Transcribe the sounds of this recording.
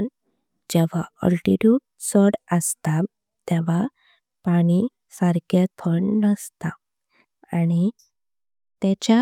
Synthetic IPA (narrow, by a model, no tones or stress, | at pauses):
n | d͡ʑɛʋ̤aə̰lʈiʈjuːʈsɔɽəst̪a | t̪ɛʋ̤a | paɽ̃i | saɾɡjat̪ʰəɳnəst̪a | aɽ̃i | t̪ɛt͡ɕa